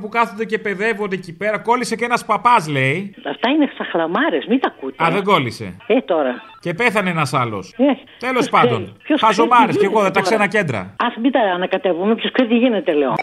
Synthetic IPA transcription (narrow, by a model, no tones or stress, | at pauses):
pukɐθond̪ece̞pe̞ðe̞vod̪eecipe̞ɾɐko̞lise̞cenɐspɐpɐsle̞iɐft̪ɐinesɐxlɐmɐɾesmit̪ɐkut̪ɐðeɡo̞lise̞̰et̪o̞ɾɐ | cepe̞θɐneenɐsɐlo̞̰se | t̪elo̞spɐnd̪o̞npçosɐzomɐɾesceɣo̞ðet̪ɐkssenɐce̞nd̪ɾɐ̰ɐsmit̪ɐːnɐkɐt̪evumepçoskseɾit̪iʝinet̪eleo